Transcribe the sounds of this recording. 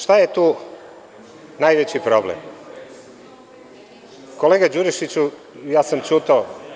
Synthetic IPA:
ʃt̪ajet̪uː | najʋet͡ɕipɾoblḛm | koleɡad͡ʒuɾiʃit͡ɕu | jaːsamt͡ʃut̪a

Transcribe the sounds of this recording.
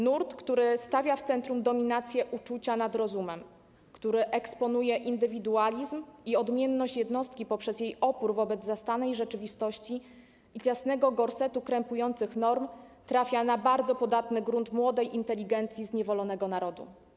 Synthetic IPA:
nuɾt̪kt̪uɾɘst̪avʲjaft̪sɛnt̪ɾumd̪ɔmʲinat̪sʲjɛʔut͡ʂut͡ɕanad̪ɾɔzumɛm | kt̪uɾɘʔɛkspɔnujɛʔind̪ɘvʲid̪ualʲizmiɔd̪mʲjɛnːɔɕt͡ɕjɛd̪nɔst̪̚kʲipɔpʂɛzjejɔpuɾvɔbɛd̪zzast̪anɛjʐɛt͡ʂɘvʲist̪ɔɕt͡ɕi | it͡ɕasnɛɡɔɡɔɾsɛt̪ukɾɛmpujɔnt̪sɘxnɔɾmt̪ɾafʲjanabaɾd̪zɔpɔd̪at̪nɘɡɾunt̪mwɔd̪ɛjʔint̪ɛlʲiɡɛnt̪sʲjizɲɛvɔlɔnɛɡɔnaɾɔd̪ṵ

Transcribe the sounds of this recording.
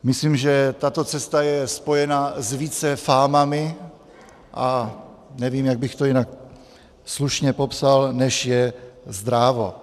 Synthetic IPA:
mɪsliːmʒɛt̪at̪o̞t͡sɛst̪ajɛspo̞jɛnazviːt͡sɛfaːmamɪ | ʔa | nɛviːmjaɡ̚bɪxt̪ojinak̚ | sluʃɲɛpo̞psalnɛʃjɛzd̪ɾavo

